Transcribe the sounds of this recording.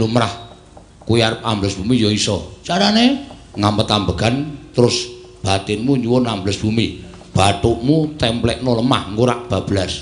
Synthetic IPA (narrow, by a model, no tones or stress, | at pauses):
lumɾah | kuwiaɾəp̚ambləsb̥umijoisɔt͡ʃaɾaneŋampət̪ambəɡ̥ant̪əɾʊs | b̥at̪ɪnmuɲuwʊnambələsb̥umi | b̥at̪uʔmut̪ɛmplɛʔnɔləma̰hŋɡuɾaʔb̥a̤b̥əlas